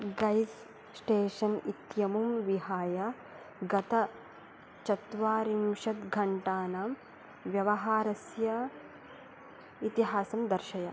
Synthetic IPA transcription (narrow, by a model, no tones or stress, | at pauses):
ɡɐjs | sʈeːʃɐnit̪jɐmumʋiɦaːjɐ | ɡɐt̪ɐ | t͡ʃɐt̪ʋaːɾimʃɐt̪ɡʱɐɳʈaːnaːm | ʋjɐʋɐɦaːɾɐsjɐ | it̪iɦaːsɐmd̪ɐɾʃɐjɐ